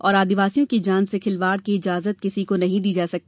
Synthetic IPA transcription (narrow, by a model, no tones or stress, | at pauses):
ɔːɾaːd̪ɪʋaːsijõkid͡ʒaːnsekʰɪlʋaːɽkiɪd͡ʒaːzət̪̚kɪsikonɐɦĩd̪iːd͡ʒaːsɐk̚t̪